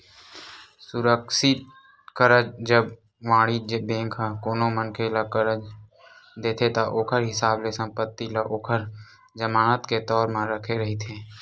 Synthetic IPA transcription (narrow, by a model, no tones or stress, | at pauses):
sʊɾəkʃɪt̪ | kəɾəd͡ʒd͡ʒəb | ʋãːɽ̃id͡ʒbẽːŋkʰakoːnomənkʰelakəɾəd͡ʒ | d̪eːt̪ʰet̪aʔoːkʰəɾɦɪsaːblesə̃mpət̪ːilaʔoːkʰəɾ | d͡ʒəmaːnət̪ket̪ɔːɾmãɾəkʰeɾəɦit̪ʰeː